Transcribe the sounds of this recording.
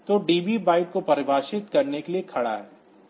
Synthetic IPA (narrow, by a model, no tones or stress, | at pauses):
t̪oɖiːbibaːɪʈ̚kopɐɾɪbʱaːʃɪt̪kɐɾnekeliekʰɐɽa̰ɦɛː